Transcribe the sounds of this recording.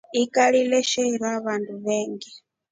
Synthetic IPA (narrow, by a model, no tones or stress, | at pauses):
ikʼaɺilɛʃɛɺwaβandʰuβɛːŋɡɛ